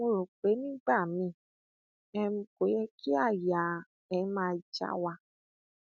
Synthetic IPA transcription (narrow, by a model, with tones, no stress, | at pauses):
mo˧ɾo˨k͡pe˨˦nĩː˦ɡ͡ba˦˨mĩ˧˨ | ɛ˧mũ˧ko˨˦jɛ˧kʰi˦a˦˨ja˨ | ɛ̃˧˦mãː˦˧˨d͡ʒa̰˨˦wa˧